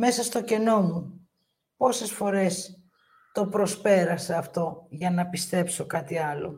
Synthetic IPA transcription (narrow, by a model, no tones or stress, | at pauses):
me̞sɐst̪o̞ce̞no̞mu | po̞se̞sfo̞ɾe̞s | t̪o̞pɾo̞spe̞ɾɐseɐft̪o̞ʝɐnɐpist̪e̞pso̞kɐt̪iɐlo̞̰